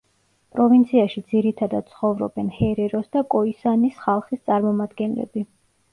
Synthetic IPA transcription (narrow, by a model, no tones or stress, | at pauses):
pʼɾɔvint̪sʰiaʃid̪ziɾit̪ʰad̪ad̪̥̚sʰχɔvɾɔ̰bɛnhɛɾɛɾɔsd̪akʼɔisanisχalˠχist̪sʼaɾmɔmad̪ɡɛnlɛ̰bi